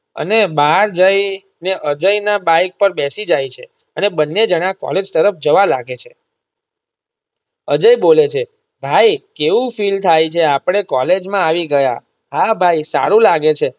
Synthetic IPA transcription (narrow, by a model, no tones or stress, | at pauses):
ə̰nebaɦɾd͡ʒəj | neʔəd͡ʒəjnabajk̚pəɾbɛsid͡ʒajt͡ʃʰe | ənebənːed͡ʒəɽ̃akɔ̰led͡ʒt̪əɾəfd͡ʒəʋalaɡet͡ʃʰe | əd͡ʒəibolet͡ʃʰe | bʱajkeʋũfilt̪ʰajt͡ʃʰeapɽ̃ekɔled͡ʒmãaʋiɡəja̰ | ɦabʱajisa̰ɾũlaɡet͡ʃʰe